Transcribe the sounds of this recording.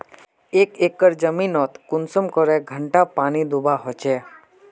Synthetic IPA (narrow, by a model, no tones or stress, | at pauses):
eːkeːkːəɾd͡ʒəminɔt̪kʊnsəmkəɾeɡʱəɳʈapaːnid̪ubʱaɦɔt͡ʃeː